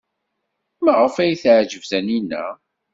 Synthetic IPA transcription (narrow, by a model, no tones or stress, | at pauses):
mæʁəfæjθʕʒəvθæninːæ̰